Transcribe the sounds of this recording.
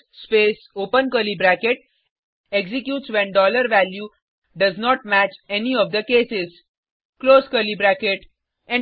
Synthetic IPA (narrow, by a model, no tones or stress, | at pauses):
speːsoːpə̃nkəɾlibɾækeʈ̚ | eɡsɪkjuːʈsʋɛ̃nɖɔːləɾʋælju | ɖʌznɔːʈ̚mæt͡ʃɛniɔʋd̪əkeːsɪz | kloːskəɾlibɾækeʈ | ɛ̃